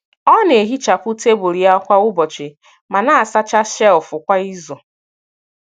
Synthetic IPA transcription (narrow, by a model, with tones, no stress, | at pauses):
ɔ˦ne˨ɦi˦t͡ʃa˨pʊ˦te˦bo˨ɾi˨a˦kʷa˦ʊ˦bɔ˨t͡ʃɪ˨ | ma˨na˦a˨sa˦t͡ʃa˦ʃɛ˦lʊ˨fʊ˨kʷa˦i˦zɔ˨